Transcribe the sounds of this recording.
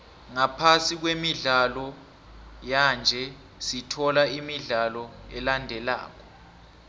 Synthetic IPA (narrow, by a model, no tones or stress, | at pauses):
ŋapʰasik̬wemiɮalɔ | jand͡ʒʱɛ | sitʰɔlaimiɮalɔɛlandʱɛla̰ːk̬ʰɔ̥